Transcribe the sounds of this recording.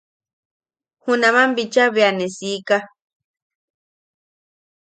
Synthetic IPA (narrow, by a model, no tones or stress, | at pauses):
hũnãmãmbit͡ʃaβeanesika